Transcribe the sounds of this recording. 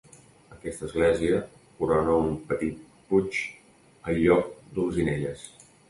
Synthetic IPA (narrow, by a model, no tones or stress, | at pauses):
əkɛst̪əzɣlɛziə | kuɾɔnəumpət̪it̪̚ | put͡ʃ | əlʎɔk̚d̪əlˠzineʎəs